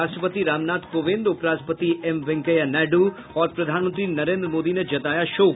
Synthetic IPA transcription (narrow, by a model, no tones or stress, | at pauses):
asʈəpət̪iɾaːmnaːt̪poʋẽnd̪ʊpɾaːspət̪iemʋɛŋkəjanɛɖu | ɔɾpɾəd̪ʱanmənt̪ɾinɐɾẽnd̪ɾəmoːd̪ined͡ʒɐt̪ajaʃoː